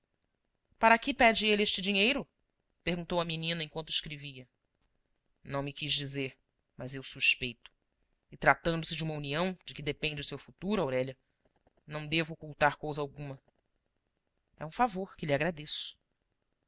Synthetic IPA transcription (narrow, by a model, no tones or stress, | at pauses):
paɾɐkɪpɛd͡ʒɪelɪeʃt͡ʃɪd͡ʒiɲejɾʊ | peɾɡũnt̪owɐminĩnɐẽkwɐ̃nt̪ʊɪʃkɾeviɐ | nɐ̃w̃mɪkiʒd͡ʒizeɾ | mɐzewsuʃpejt̪ʊ̥ | ɪt̪ɾat̪ɐ̃nd̪ʊsɪd͡ʒɪũmɐuniɐ̃w̃d͡ʒɪkɪd̪epẽnd͡ʒɪʊsewfut̪uɾʊawɾɛʎɐ | nɐ̃w̃d̪evʊokuwt̪aɾkowzɐawɡũmɐ | ɛũfavoɾkɪlɪaɡɾad̪esʊ̥